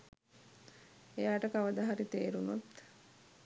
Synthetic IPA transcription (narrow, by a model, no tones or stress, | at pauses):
ejaːʈəkaʋəd̪aɦaɾit̪eːɾunot̪